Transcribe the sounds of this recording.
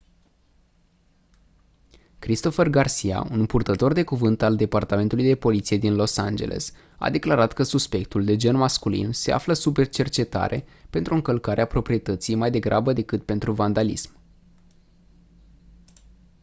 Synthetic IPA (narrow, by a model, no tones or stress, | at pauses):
kɾist̪o̞fe̞rɡarsija̰unpurt̪ət̪o̞rd̪e̞kuvɨnt̪ald̪e̞part̪ame̞nt̪ulujd̪e̞po̞lit̪sije̞d̪inlo̞sa̰nd͡ʒe̞̰lʔe̞̰s | a̰d̪e̞klaɾat̪kəsuspe̞kt̪uld̪e̞d͡ʒenmaskulḭnse̞a̰fləsupe̞rt͡ʃe̞rt͡ʃe̞t̪a̰ɾʔe̞̰pe̞nt̪ɾuɨŋkəlkaɾʔeapɾo̞pɾie̞t̪ət̪sijmajd̪e̞ɡɾʔabəd̪e̞kɨt̪̚pe̞nt̪ɾuvand̪alḭsm